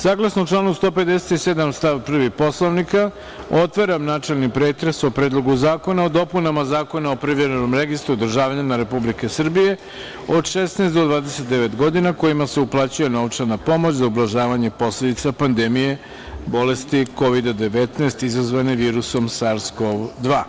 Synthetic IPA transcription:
saːɡlˠasnoʈ͡ʂlˠaːnust̪o̞ːped̪e̞se̥t̪ised̪amst̪aʋpr̩ʋipo̞sloʋnika | o̞t̪ʋaɾamnaːt͡ʂelnipɾeːt̪ɾeso̞pɾeːd̪lˠo̞ɡuzaːko̞naod̪o̞punamazaːko̞naopɾiʋjeɾeno̞mɾeɡist̪ɾud̪r̩ʒaːʋaɲemaɾe̞publike̞sr̩bije̞ | o̞d̪ʃesnaest̪d̪o̞d̪ʋaːd̪ese̞t̪̚d̪eʋe̞t̪ɡo̞d̪inako̞imase̞uplˠaːt͡ɕuje̞no̞ʋt͡ʂanapo̞mot͡ɕzaublˠaʒaːʋaɲe̞po̞sled̪it̪sapand̪emije̞ | bo̞le̞st̪iko̞ʋid̪ad̪e̞ʋet̪naest̪izazʋaneʋiːɾuso̞msaɾskoʋd̪ʋaː

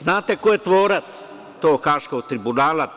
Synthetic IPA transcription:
znaːt̪ekojet̪ʋoːɾat̪s | t̪oːxaʃkoɡ̚t̪ɾibunaːla

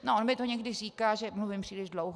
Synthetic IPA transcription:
noʔonmɪt̪oɲɛɡdɪriːkaːʒɛmluvɪmpr̥iːlɪʒdlowɦ

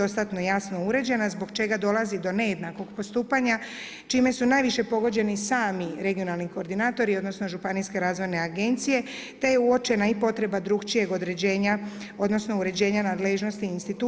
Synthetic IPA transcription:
o̞st̪at̪no̞jasno̞uɾe̞d͡ʑe̞nazbo̞ɡt͡ʃe̞ɡad̪o̞lazid̪o̞ne̞jed̪nako̞ɡpo̞st̪uːpaɲa | t͡ʃime̞sunajʋiʃe̞po̞ɡo̞d͡ʑe̞nisaːmiɾe̞ɡijo̞nalˠniko̞ːɾd̪inaːt̪o̞ɾio̞d̪no̞sno̞ʒupaniske̞ɾaːzʋo̞jne̞aɡe̞nt̪sije̞ | t̪eje̞uo̞t͡ʃe̞naipo̞t̪ɾe̞bad̪ɾuɡt͡ʃije̞ɡo̞d̪ɾe̞d͡ʑeːɲa | o̞d̪no̞sno̞uɾe̞d͡ʑe̞ːɲanaːd̪leʒno̞st̪iinst̪it̪u

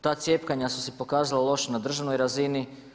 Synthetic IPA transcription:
t̪aːt̪sʲje̞ːpkaɲasusepo̞kaːzalˠalˠo̞ʃnad̪r̩ʒaʋnojɾazini

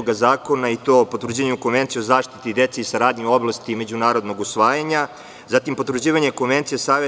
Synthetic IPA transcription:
oɡazaːko̞nait̪opot̪ɾd͡ʑeɲukonʋe̞nt̪siozaːʂt̪it̪id̪et̪seisaɾaːd̪ɲioblˠast̪ime̞d͡ʑunaːɾo̞d̪noɡusʋaːjaɲa | zat̪impo̞t̪ɾud͡ʑiːʋaɲekonʋent̪sijesaːʋe

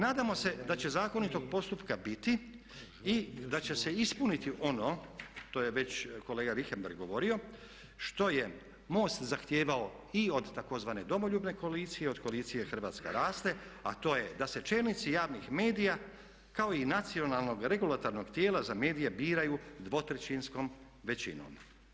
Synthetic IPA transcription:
naːd̪amo̞se̞d̪at͡ɕe̞zaːko̞nit̪o̞ɡ̚po̞st̪upkabit̪i | id̪at͡ɕe̞se̞ispunit̪iʔo̞no̞t̪o̞jeʋe̞t͡ɕko̞leːɡaɾixembeɾɡːo̞ʋo̞ɾio̞ | ʃt̪o̞je | mo̞ːst̪zaxt̪je̞ːʋao | io̞d̪t̪ako̞zʋane̞d̪o̞mo̞ʎuːbne̞ko̞aliːt̪sijeo̞d̪koliːt̪sije̞xr̩ʋaːt̪skḛɾaːst̪e̞at̪o̞ːje̞d̪ase̞t͡ʃe̞lˠnit̪sijaːʋnixme̞ːd̪ija | kao̞inat̪sio̞nalˠno̞ɡɾe̞ɡulat̪oɾno̞ɡt̪jeːlazame̞ːd̪ijebiːɾajud̪ʋo̞t̪ɾet͡ɕinsko̞m | ʋe̞t͡ɕḭno̰ːm

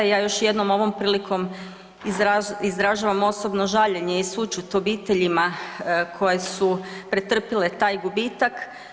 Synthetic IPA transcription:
jaːjo̞ʃje̞d̪nomo̞ʋo̞mpɾiːlikʰo̞m | izaizd̪ɾaʒaːʋamo̞so̞bnoʒaʎeɲe̞isut͡ʃut̪o̞biːt̪e̞ʎimakʰo̞je̞supɾe̞t̪r̩pile̞t̪aːjɡubiːt̪ak

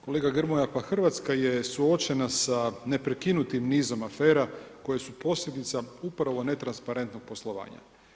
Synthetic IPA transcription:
ko̞leɡaɡr̩mojapaxr̩ʋat̪skajesuo̞t͡ʃe̞nasane̞pɾekinut̪imniːzo̞mafe̞ːɾako̞jesupo̞slʲʎʲe̞d̪it̪saupɾaʋo̞ne̞t̪ɾanspaɾe̞nt̪no̞ɡ̥̚po̞slˠo̞ʋa̰ːɲa̰

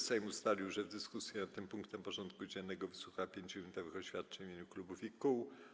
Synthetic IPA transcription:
sɛjmust̪alʲiwʐɛvd̪ɘskusʲjɛnat̪ːɘmpuŋkt̪ɛmpɔʐɔnt̪kud͡ʑɛnːɛɡɔvɘswuxaapʲjeɲd͡ʑuɾʲunt̪ɔvɘxɔɕfʲjat̪̚t͡ʂɛɲivʲjeɲuklubufikuw

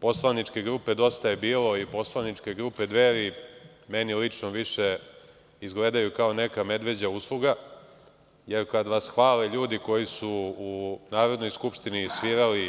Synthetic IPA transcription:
po̞slˠanit͡ʃke̞ɡɾupe̞d̪o̞st̪ajebiːlo̞ipo̞slˠanit͡ʂkeɡɾupe̞d̪ʋeːɾi | me̞nilit͡ʂnoʋiʂe | izɡled̪ajukaone̞kame̞d̪ʋe̞d͡ʑauslˠuɡa | je̞ɾkad̪ʋasxʋaːleʎuːd̪iko̞jisuː | naːɾo̞d̪no̞jskupʂt̪inisʋiːɾali

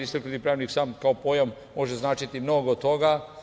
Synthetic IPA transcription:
ist̪ɾknut̪ipɾaːʋniksaːmkaopojomːo̞ʒeznaːt͡ʃit̪imno̞ɡot̪̚t̪oɡa

